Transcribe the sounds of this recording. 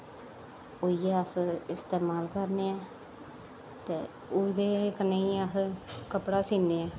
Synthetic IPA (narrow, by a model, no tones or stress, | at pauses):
oijeːəsɪst̪eːmaːlkəɾneːɛː | t̪eː | ʊd̪eːkənːeiːəɦkəpɽaːsiːneːɛː